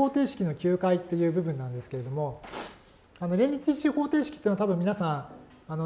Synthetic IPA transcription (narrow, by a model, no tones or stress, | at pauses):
oːt̪e̞ːɕi̥kʲino̞kʲɨːkait̪ːe̞jɯ̟ːbɯ̟bɯ̟̃nːãnd̪e̞sɨ̥keɾe̞d̪o̞mo̞ | ano̞ɾẽ̞ɲʲːit͡ɕit͡ɕiho̞ːt̪eːɕi̥kʲi̥eːnat̪abɯ̟̃mʲinasãɰ̃ | ano